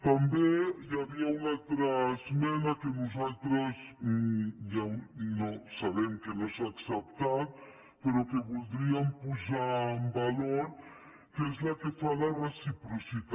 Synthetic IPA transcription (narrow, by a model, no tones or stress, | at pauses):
t̪ambejaβiaunalt̪ɾazmɛnakenuzalt̪ɾaz | janosaβemkenosaksep̚t̪aɾ | peɾokeβuld̪ɾiampuzambaloɾ | kezlakefalaresipɾusit̪a